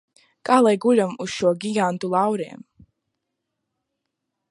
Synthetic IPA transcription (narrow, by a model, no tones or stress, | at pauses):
kaːlˠajɡulʲamuz̥ʃuɔɡʲiɡant̪ulˠawɾiɛm